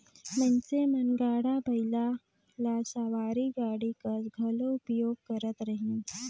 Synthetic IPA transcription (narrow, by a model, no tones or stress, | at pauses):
mənsemɐnɡaːɽabʱɐɪla | laːsaːʋaːɾiɡaːɽikɐsɡʱɐloʊpjoːɡ̚kɐɾət̪ɾɐɦĩ